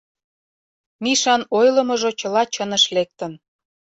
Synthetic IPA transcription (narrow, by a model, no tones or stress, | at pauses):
miʃɑnojlə̆mɤ̆ʒot͡ɕəlɑt͡ɕənə̆ʃlek̚t̪ə̆n